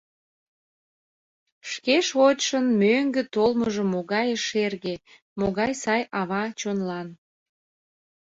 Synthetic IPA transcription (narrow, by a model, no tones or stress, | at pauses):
ʃkeʃot͡ɕʃənmøŋɡet̪olməʒəmːoɣɑjəʃerɣe | moɣɑjsɑjɑβɑt͡ɕonlɑn